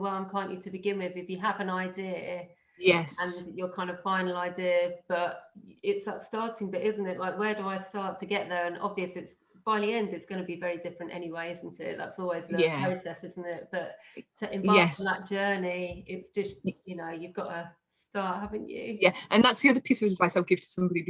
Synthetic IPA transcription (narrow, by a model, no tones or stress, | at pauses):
wɛlˠãɪ̃mkʰɑ̃nʔətʰəbɨɡɪ̃nwɪðɪfjəəvə̃naɪdɪə | jɛə̃njəkʰãɪ̃ndəv̥fãɪ̃nl̩ˠaɪdɪəb̥ʌtɪtsatstɑˑtɪ̃ŋbʌɾɪzn̩tɪʔlaɪkwədəaɪstɑˑtʰəɡɛʔðə˞ə̃nɒ̰bviəsɪts | b̥aɪðiɛ̃ndɨtsɡ̥ʌnəbivɛɹidɪfɹə̃ntɛ̰ñiweɪɪzn̩tʰɪ̰ʔ̚ða̰tsɔːlˠwizæpɹ̥əʊsɛsɪzn̩tɪt̚b̥ʌʔtʰəʔɪ̃mɛtʰəðəʔ̚d̥ʒ̥ɜːniɪtsd̥ʒ̥ʌstjɨnəʊjʉvɡɒtə | stɑɹʔhavɪ̃ŋjʉ̰jæʔə̃nðatsðiʌðəpʰiˑsəvədvaɪsaɪɡ̥ɪv̥tʰə̥sʌ̃mbɒɾi